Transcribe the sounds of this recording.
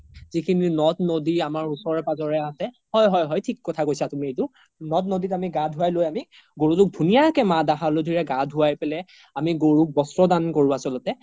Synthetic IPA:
zikʰininɔtnodiamaɹusɔɹɛpazɔɹɛasɛ | hɔjɦɔjɦɔjtʰikːɔtʰakojsatumiejtʊ | nɔt̚noditamiɡadʱuwajlojami | ɡoɹutʊk̚dʱunijakɛmadaɦalodʱiɹɛɡadʱuajpɛlɛ | amiɡoɹuk̚bɔstɹɔdankoɹuasɔlɔtɛ

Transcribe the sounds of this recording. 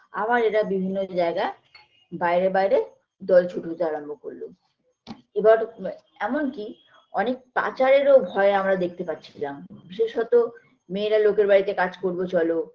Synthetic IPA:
a̰βaɾeʈabibʱinːod͡ʑaeɡae | baeɾebajɾe | d̪ɔlt͡ɕʰuʈot̪eaɾambʱoko̰ɾlo̰ | ebaɾ | ɛmonki | ɔnek̚pa̰t͡ɕaɾeɾobʱɔeamɾad̪ek̚ʰt̪epatːɕʰilambiʃeʃɦɔt̪o | meːɾalokeɾbaɾit̪ekad͡ʑkoɾbot͡ɕɔlo

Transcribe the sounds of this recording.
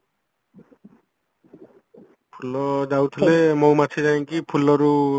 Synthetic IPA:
pʰulɔd͡ʒawt̪ʰillemowmat̪ʰid͡ʒajŋkipʰulɔɾu

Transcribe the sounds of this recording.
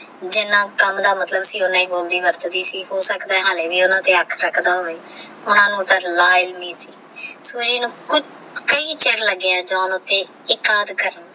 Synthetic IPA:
d͡ʒɪnãːkəmd̪aːmət̪ləbsiːʊnãːiːboːld̪iːʋəɾt̪d̪iːsiːɦoːsəkd̪aːɛːɦaːleːʋiːʊnãːt̪eːəkʰɾəkʰd̪aːɦoːeː | ʊnãːnũːt̪ãːlaːɪlmiːsiː | suːd͡ʒiːnũːkʊt͡ʃ | kəiːt͡ʃeːɾləɡːeːãːd͡ʒãːnʊt̪ːẽː | ɪkaːd̪kəɾən

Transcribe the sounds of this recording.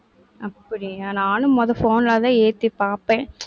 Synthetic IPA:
ɐpːɐɽɪanaːnɯmɔðɐfoːnlaːt̪ãːeːt̪ːɯpaːpẽː

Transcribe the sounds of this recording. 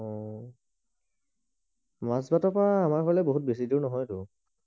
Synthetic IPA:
ɔ | mazbatɔpɔaːmaɹkɔlɛboɦut̚besidiwnɔɦɔjtʊ

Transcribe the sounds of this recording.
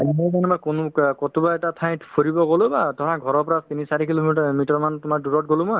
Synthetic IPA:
mɔkanɛmɔjkonukɔtubaɛtatʰaj̃tpʰoɹibɔɡolʊbatɔɦãɡʱɔɹɔɹpɔɹatinisaɹikilomitɔɹmantumaɹduɹɔt̚ɡolʊ̃mɔj

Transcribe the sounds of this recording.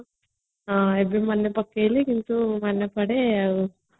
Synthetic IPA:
aːebemɐnːepɐkːelikint̪umɐnːepɐɽeu

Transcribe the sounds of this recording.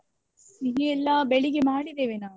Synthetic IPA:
niɦeɛlːaːbeɭiɡemaːɽid̪eːʋenaː

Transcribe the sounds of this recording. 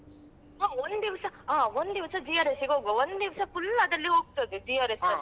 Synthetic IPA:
ɦaːond̪d̪iʋɐsɐɦãːond̪d̪iʋɐsɐd͡ʒiːjaːɾesiɡɦoːɡoond̪d̪iʋɐsɐfʊlːɐd̪ɐlːiɦoːɡ̚t̪ɐd̪ɯd͡ʒiːaːɾes

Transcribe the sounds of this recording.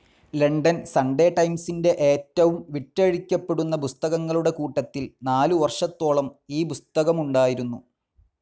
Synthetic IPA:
leɳɖɐnsɐɳɖe̞ːʈɐjmsinde̞ʔe̞ːtːɐʋumʋiʈːɐɻikʲːɐpːe̞ɽunːɐpust̪ɐɣɐŋːɐɭuɽe̞kuːʈːɐt̪ːilnaːluʋɐrʂɐt̪ːo̞ːɭɐmiːpust̪ɐɣɐmuɳɖaːjiɾunːu

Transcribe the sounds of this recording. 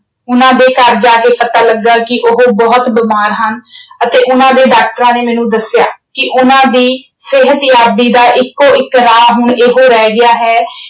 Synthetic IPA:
ʊnãːd̪eːkəɾd͡ʒaːkeːpət̪aːləɡːaːkɪʔʊɦoːbɔːt̪bɪmaːɾɦənət̪eːʔʊnãːd̪eːɖaːk̚ʈəɾãːneːmɛ̃ːnũːd̪əsjaːkɪʔʊnãːd̪iː | sɪɦət̪jaːb̪iːd̪aːʔɪkːoːɪkːɾaːɦʊɳeːɦoːɾɛːɡɪjaːɦɛː

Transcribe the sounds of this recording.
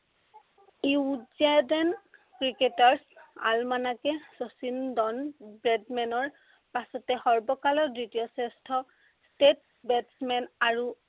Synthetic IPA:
iuzadɛnkɹiketaɹsa̰lmanakɛsosindɔnbɹɛdmɛnɔɹ | pasɔtɛxɔɹbɔkalɔdɹitijɔsɛstʰɔ | stet | bɛtsmɛnaɹu

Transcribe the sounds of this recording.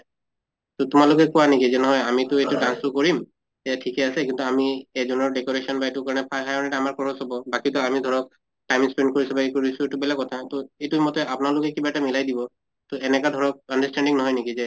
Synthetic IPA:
tʊtʊmalʊkɛkuanekizɛnɔɦɔjamitʊejtudansʊkoɹim | eatʰikɛasɛkint̪uamiɛzɔnɔɹɖekɔɹesɔnbaetukaɹɔnɛpʰajɦʰajɔnɛtaamaɹkɔɹɔsɔbɔbakitɔamid̪ʱɔɹɔk̚ | ʈajmspɛn̚koɹisubakikoɹisuetubɛlakːɔtʰatoejtumɔtɛapʊnaɹlʊkɛkibatamilajdibɔ | tɔɛnɛkad̪ʱɔɹɔk̚əndastɛnɖiŋnɔɦɔjnekizɛ

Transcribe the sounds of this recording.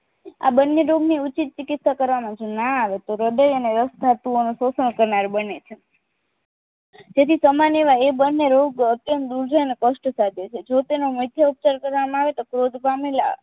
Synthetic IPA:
a̰bənːeɾoɡniut͡ʃit̪̚t͡ʃɪkɪt̪sakəɾʋamãt͡ʃʰenaːʋet̪oɾəɖəjəneɾəst̪ʰat̪uonososənkəɾnaɾbənet͡ʃʰe | d͡ʒet̪ʰisəmaneʋaebənːeɾoɡət̪jə̃nt̪̚d̪uɾd͡ʒəjnekəʃʈsad̪ʱet͡ʃʰed͡ʒot̪enoməd̪ʱjaup̚t͡ʃaɾkəɾʋamãaʋet̪okɾod̪ʱpamila̰

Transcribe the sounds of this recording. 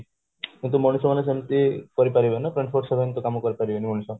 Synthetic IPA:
kĩnt̪̬umɔnisɔmanes̬emt̪ikɔɾipaɾibenapɾeɳʈfʰoɾsebʱent̪okamukɔɾipaɾibenimɔnisɔ

